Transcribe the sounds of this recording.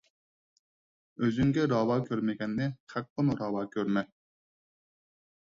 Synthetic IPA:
øzyŋɡʲɛɾɑːwɑːkʲʰøɾmɪɡʲɛnːɪqʰæq̚ːənɾɑːwɑːkʲʰøɾmɛ

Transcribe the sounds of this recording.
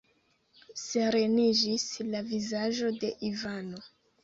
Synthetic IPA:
se̞ɾe̞nid͡ʒislavizaʒo̞de̞ʔivano̞

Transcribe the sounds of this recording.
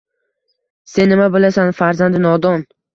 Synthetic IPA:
se̞nːɪmabɪlasanfaɾzand̪ɪnɒd̪ɒn

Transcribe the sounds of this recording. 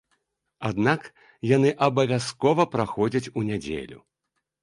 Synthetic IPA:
ad̪nak | janɨʔɐbɐvʲaskɔvɐpɾaxɔd͡zʲɐt͡sʲunʲad͡zʲḛlʲṵ

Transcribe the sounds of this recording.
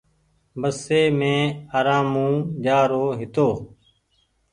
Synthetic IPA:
bəseːmẽːaːɾãːmũːd͡ʒaːɾoːɦɪt̪oː

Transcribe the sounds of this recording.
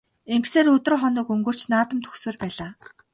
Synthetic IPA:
eŋɡseːɾɵt̪̆rχɔnɞːkɵŋɡɵ̆r̥t͡ɕnaːt̪ə̆mt̪ʰɵ̥xsweːrpæːɮaː

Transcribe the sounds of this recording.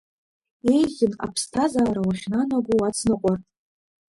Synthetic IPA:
e̞jzʲɪna̰pʰstʰazaːɾawaχʲnanaɡʷuwat͡sʰnɨqʷʼarʼ

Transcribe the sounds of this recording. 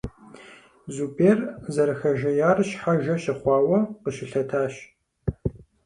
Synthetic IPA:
zubʰeːrzɐɾɨxɐʒɐjaːrɕħaʒɐɕɪχʷɑːwɐqəɕɪɬɐtʰaːɕ

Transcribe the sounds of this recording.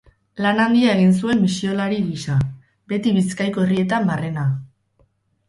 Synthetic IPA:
lanand̪iae̞ɣ̞ins̬ue̞mːisio̞laɾiɣisa | be̞t̪iβiskajko̞erie̞t̪ambare̞na

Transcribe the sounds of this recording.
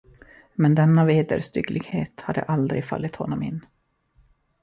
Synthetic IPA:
mɛnd̪ɛnːaveːd̪ə̰ɾst̪ʏɡlɪɡheːt̪haɖ̪ə̰ʔald̪ɾɪɡfa̰lːɪt̪hɔnːɔmɪ̰nː

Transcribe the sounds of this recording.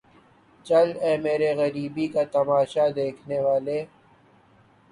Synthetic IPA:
t͡ʃɐlɛ̃ːmeːɾeɣɐɾiːbikat̪ɐmaːʃad̪eːkʰneʋaːleː

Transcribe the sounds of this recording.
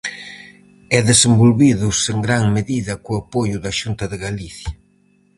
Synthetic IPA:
ɛðesembolβiðʊseŋɡɾaŋmeðiðɐkʊapojʊðɐʃunt̪ɐðɪɣaliθjɐ

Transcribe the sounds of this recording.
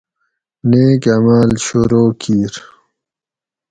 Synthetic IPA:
neːkɐmaːlɕoɾoːkʰiːɾ

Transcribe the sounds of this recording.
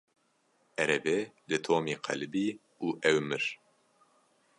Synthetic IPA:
ɛɾɛvɛlɨt̪ʰoːmiːqʰɐ̰lbiː | uːʔɛwmɨɾ

